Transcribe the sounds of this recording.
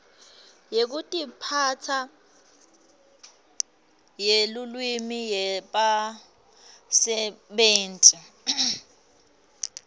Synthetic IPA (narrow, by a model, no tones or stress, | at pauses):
jek̬utʼipʰat͡sʰa | jelulwimijɛɓa | sɛɓeːntʼi